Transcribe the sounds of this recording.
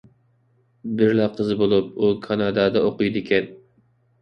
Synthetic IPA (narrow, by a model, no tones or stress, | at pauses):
bɪɾlɛqʰəzɨbolˠup̚ukʰɑnɑd̪ɑːd̪ɛoqujd̪ɪkʲʰɛn